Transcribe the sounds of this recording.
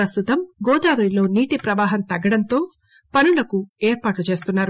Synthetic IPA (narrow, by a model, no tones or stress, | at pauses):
ɾɐst̪ut̪ɐmɡoːd̪aːʋɐɾilo̞ːniːʈipɾɐʋaːɦɐnt̪ɐɡːɐɽɐnt̪o̞ː | pɐnulɐkueːɾpaːʈlut͡ʃe̞ːst̪unːaːɾu